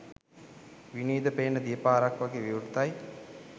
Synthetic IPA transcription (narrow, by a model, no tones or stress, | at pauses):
ʋiniːd̪əpeːnəd̪ijəpaːɾakʋaɡeːʋiuɖut̪aj